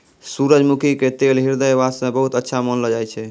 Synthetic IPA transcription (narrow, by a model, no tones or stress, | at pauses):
suɾəd͡ʒmukʰiket̪elɦiɾd̪əjʋasẽbəɦut̪ətːʃʰamənləd͡ʒajt͡ʃʰɛ